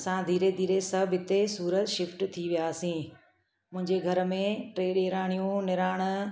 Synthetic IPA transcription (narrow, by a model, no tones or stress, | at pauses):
sãd̪ʱiːɾed̪ʱiːɾesɐbʱɪt̪esuːɾət̪ʃɪfʈt̪ʰiʋijaːsĩː | mʊ̃ɦɪ̃ɲd͡ʑeɡʱɐɾəmẽʈɾeːɗeːɾaːɽ̃ijũnɪɾaːɽ̃